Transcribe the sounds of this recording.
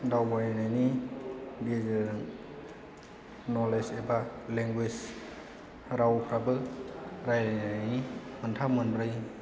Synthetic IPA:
dawbanajnajni | ɡezeɾɯŋ | nɔlesebaleŋɡwes | ɾawkʰɾabɯɾajɾanaajnimɯntʰamɯnbɾɯj

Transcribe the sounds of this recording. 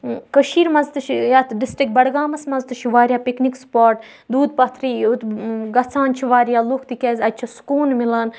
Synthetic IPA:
kəʃiːɾmɐzt̪ɨt͡ʃʰijaːt̪ɖisʈɾik̚bɐɽɡaːmɐsmɐzt̪ɨt͡ʃʰiʋaːɾjaːpiknikspaːɾʈ | d̪uːd̪̚pɐt̪ʰɾiut̪ɡɐt͡sʰaːnt͡ʃʰiʋaːɾjaːlukʰt̪ikʲeːzʲɐt͡ʃʰɐskuːnmilɐːn

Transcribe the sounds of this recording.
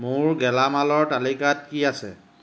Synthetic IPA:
mʊɹɡɛlamalɔɹtalikat̚kiasɛ

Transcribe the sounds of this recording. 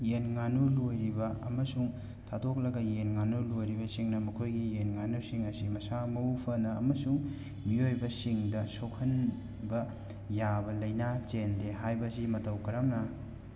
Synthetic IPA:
jenŋanulojɾibɐɐ̰mɐsuŋ | tʰadok̚lɐɡɐjenŋanulojɾibɐsiŋnɐmɐkʰojɡijenŋanusiŋɐsimɐsamɐupʰɐnɐːmɐsuŋ | miojbɐsiŋdɐsokʰɐn | bɐ | jabɐlɐjnat͡ʃendeɦajbɐsimɐtɐwkɐɾamnɐ

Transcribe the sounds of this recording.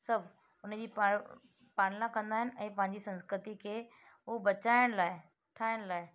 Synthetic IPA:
sɐbʱ | ʊnd͡ʑiːpa | paːɽlãkɐ̃nd̪aːɦɪnɪ̆ʔɛ̃ːpɐ̃ɦɪ̃ɲd͡ʑisɐ̃nskɾɪt̪ikʰeː | ɦʊbɐt͡ɕaːɪɽ̃laːɪ | ʈʰaːɪɽ̃laːɪ

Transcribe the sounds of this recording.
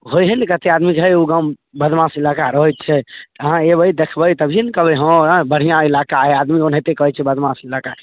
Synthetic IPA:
ɦojɦɛnkət̪ead̪mid͡ʒɦəjuɡã | bəd̪ʱmãsilakaɾəɦət̪̚t͡ʃʰɛt̪əɦãebəjd̪ekʰbəit̪əbd͡ʒʱinkəbeɦə̃bəɽ̤ijãilakaɦɛad̪mionɦet̪ekəɦt͡ʃʰɛbəd̪mãsilaka

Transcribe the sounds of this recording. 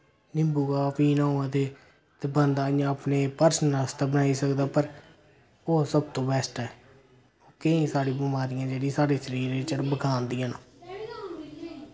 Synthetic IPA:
nɪmbuːɡaːpiːnaːãːt̪eː | t̪eːbənd̪aːjãːəpneːpəɾsənəst̪aːbənaːiːsəkd̪aːpəɾ | oːsəb̚t̪õːbɛːsʈaɛː | oːkeĩːsaːɽiːbəmaːɾɪjãːd͡ʒeːɽĩːsaːɽeːsəɾiːɾeːt͡ʃəɾbəɡʰʱaːnd̪ijãːnoː

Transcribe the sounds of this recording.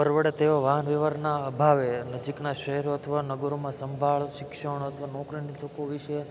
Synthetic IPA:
pəɾʋəɽet̪eʋoʋaɦənʋeʋaɾnaəbʱaʋenəd͡ʒiknaʃəɦɛɾoət̪ʰəʋanəɡəɾomãsəmbʱaɭʃɪkʃəɽ̃ət̪ʰəʋanokɾinit̪ʰəkoʋiʃə

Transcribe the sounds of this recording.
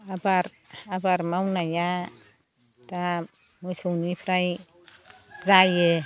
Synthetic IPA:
abaɾ | abaɾmawnaja | t̪a | mujsʰownipʰɾaj | zaje

